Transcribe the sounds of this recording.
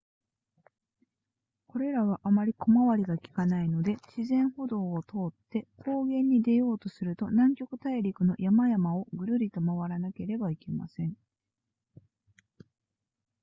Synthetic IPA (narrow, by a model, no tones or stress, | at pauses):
ko̞ɾe̞ɾaβ̞aʔamaɾʲikʰo̞maβaɾʲiɡakʲi̥kanaino̞d̪e̞ɕizẽ̞ɰ̃ho̞d̪o̞ːt̪ʰo̞ːt̪ːe̞kʰo̞ːɡẽ̞ɲ̟ːid̪e̞jo̞ːt̪o̞sɨɾɯ̟t̪o̞nãŋkʲo̞kɯ̟̥t̪aiɾʲikɯ̟no̞jʔamajamao̞ɡɯ̟ɾɯ̟ɾʲit̪o̞maβaɾanake̞ɾe̞baike̞ma̰sẽ̞ɴ